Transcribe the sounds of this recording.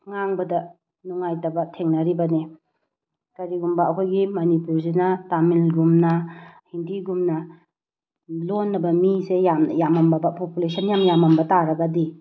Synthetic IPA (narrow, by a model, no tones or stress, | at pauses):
ŋaŋbɐdɐ | nuŋajtɐbɐtʰeŋnɐɾibɐne | kɐɾiɡumbɐɐkʰojɡimɐnipuɾsinɐtamilɡumnɐhindiɡumnɐ | lonːɐbɐmisejamjamɐmbɐbɐpopjulesʰɐnjamjamɐmbɐtaɾɐɡɐdi